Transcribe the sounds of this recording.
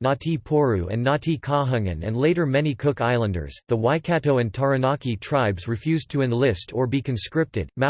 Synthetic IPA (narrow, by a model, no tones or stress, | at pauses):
nɑtʰipʰɔɹuɨ̰̃nːɑtʰikʰɑɦʌ̃ŋɨ̰̃nɨ̰̃ndleɪɾə˞mɛnikʰʊkaɪlˠə̃ndə̰˞z̥ðəwaɪkʰæɾoʊɨ̃ntʰɑɹɨnɑkitʰɹ̥aɪbzɹifjʉztʰɨɨ̃nlɪstʰə˞bikʰɨ̃nskɹɪp̚tɨ̰d̚ma